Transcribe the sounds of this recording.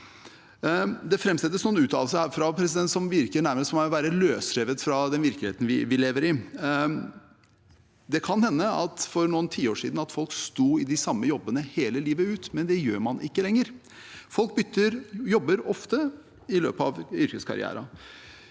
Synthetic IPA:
d̪ɛfɾɛmsɛt̪ːəsnuːnʉːt̪ʰɑ̰ːls̬əhæːɾfɾɑpʰɾɛsɪd̪ɛnt̪sɔmʋɪɾkəɳæɾməst̪mɑʋæːɾəløːsɾeːʋət̪fɾɑd̪ɛnʋɪɾkleːt̪n̩ʋɪʋɪleːʋəɾɪ | d̪ɛkʰɑnhɛnːəɑt̪fɔɾnuːənt̪ʰiːoːʂḭd̪n̩ɑt̪fɔlkst̪uːɪd̪ɪsɑmːəjɔbːənəheːləliːʋəʉːt̪mɛnd̪ɛjøːɾmɑnʔɪkːəlɛŋːəɾ | fɔlk̚bʏt̪ʰːəɾjɔbːəɾɔft̪ə | ɪlø̰ːpəɑ̰ʋʏɾkəskʰɑ̰ɾɪ̰æ̰ːɾɑ

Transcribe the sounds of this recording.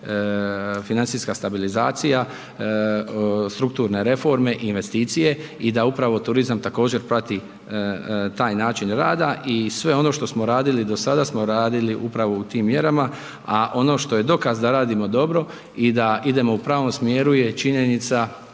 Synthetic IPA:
finant̪siːskast̪abilizaːt̪sija | st̪ɾuk̚t̪uːɾne̞ɾe̞fo̞ɾme̞ʔinʋe̞st̪iːt̪sije̞id̪aupɾaʋo̞t̪uɾizamt̪ako̞ːd͡ʑe̞ɾpɾat̪i | t̪aːjnaːt͡ʃinɾaːd̪aʔisʋe̞o̞no̞ʃt̪o̞smo̞ɾaːd̪ilid̪o̞sad̪asmo̞ɾaːd̪iliʔupɾaʋout̪iːmːje̞ɾama | aʔo̞no̞ʃt̪o̞je̞d̪o̞kazd̪aɾaːd̪imo̞d̪o̞bɾo̞ | id̪aid̪e̞mo̞upɾaːʋo̞msmje̞ːɾuje̞t͡ʃiɲenit̪sa

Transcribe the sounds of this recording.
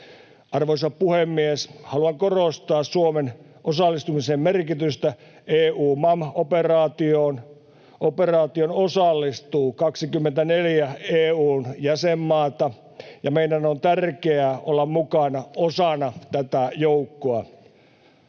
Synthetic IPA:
ɑrʋoisɑpuhemːieshɑluɑŋkorost̪ɑːssuomen | ʔosɑlːˑist̪umisemmerkit̪yst̪æ | eːuːmɑmoperɑːt̪ioːn | ʔoperɑːt̪ionosɑlːist̪uːkɑksikymːent̪æneljæeːuːnjæsemːɑːt̪ɑ | jɑmeidænont̪ærkeæʔolːɑmmukɑnɑosɑnɑt̪æt̪æjoukːoɑ

